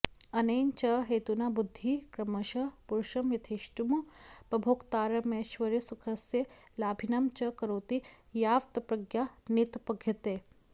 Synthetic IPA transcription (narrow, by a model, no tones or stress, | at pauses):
ɐnejnt͡ʃɐɦeːt̪unabud̪ʱːikɾɐmɐʃɐpuɾʃɐmjɐt̪ʰiʃʈumupɐbʱoːkt̪aːɾɐmeːʃʋɐɾesukʰɐsje | laːbʱinamt͡ʃɐkɐɾoːt̪i | jaːʋt̪ɐpɾɐɡjanit̪pɐɡʱjɐt̪eː